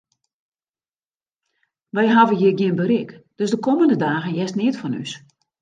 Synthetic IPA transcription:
ʋɛjɦavəjɪəɡjɪnbərɪkd̥øsdəkoməndədaːɣənjɛstnɪtfɔny̰s

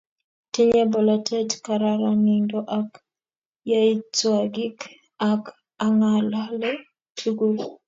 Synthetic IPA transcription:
tiɲɛbɔlatʰɛtkaɾaɾaŋindɔʔak | jait͡swaɡik | ak | aŋalalɛ | tʰuɡu

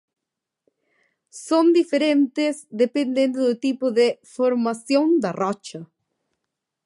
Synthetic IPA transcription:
sõnd̪ifeɾẽnt̪ɪzd̪epẽnd̪ẽnd̪ʊðʊt̪ipʊðefoɾmasjõnd̪ɐrɔt͡ʃɐ

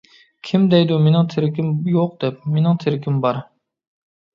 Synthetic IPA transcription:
kʲʰimd̪ɛjd̪umenɪŋt̪ʰeɾɪkʲimjoq̚d̪̥ɛp̚menɪŋt̪ʰeɾɪkʲʰimbɑɾ

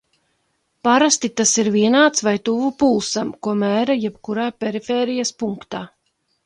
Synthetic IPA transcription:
paɾast̪it̪asiɾviɛnaːt̪svajt̪uvupulˠsamkuɔmæːɾajɛpkuɾaːpʲɛɾifeːɾijaspuŋkt̪aː

